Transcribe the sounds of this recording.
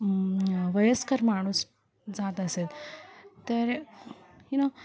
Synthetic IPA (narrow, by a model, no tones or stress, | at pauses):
ʋəjəskəɾmaɽ̃uːs | d͡zat̪əselt̪əɾ | hino